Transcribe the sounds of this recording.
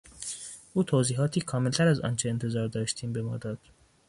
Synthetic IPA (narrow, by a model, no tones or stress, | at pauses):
ʔuːt̪ʰoːziːɦɒːt̪ʰiːkʰɒːme̞lt̪ʰæɾæzɒ̰ːnt͡ʃʰeːnt̪ʰe̞zɒːɾd̪ɒːʃt̪ʰiːmbe̞mɒ̰ːd̪ɒːd̪̥